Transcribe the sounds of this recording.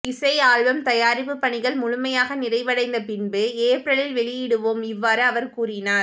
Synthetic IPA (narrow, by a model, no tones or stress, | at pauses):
ɪsɐjaːɭʋɐmt̪ɐjaːɾɪpːɯpːɐɳɪɣɐɭmʊɻʊmɐjaːɣɐnɪrɐɪʋɐɽɐɪnd̪ɐpɪnbɯeːpɾɐɭɪlʋɛɭɪjɪɽɯʋoːmɪʋːaːɾɯɐʋɐɾkuːrɪnaːɾ